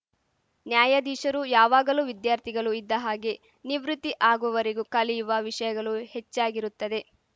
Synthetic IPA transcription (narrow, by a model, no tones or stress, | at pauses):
njaːjɐd̪iːʃɐɾujaːʋaːɡɐluʋid̪jaːɾt̪ʰiɡɐɭuid̪ːɐɦaːɡe | niʋɾut̪ːiʔaːɡuʋɐʋɐɾiɡukɐlijuʋɐʋiʂɐjɐɡɐɭuhet͡ʃːaːɡiɾut̪ːɐd̪e̞